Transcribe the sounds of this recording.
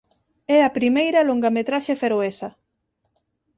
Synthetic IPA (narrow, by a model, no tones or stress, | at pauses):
ɛɐpɾimejɾɐloŋɡɐmet̪ɾaʃefeɾoesɐ